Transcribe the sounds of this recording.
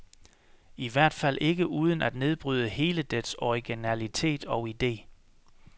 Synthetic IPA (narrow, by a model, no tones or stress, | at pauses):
iʋæɐ̰d̥fæl̰ʔe̝ɡ̥əʔuːð̞ˠənæd̥ne̝ð̞ˠb̥ʁyð̞ˠəhe̝ːləd̥esɒʁiɡ̥inælit͡sʰe̝̰ːd̥ɒʊid̥e̝̰ː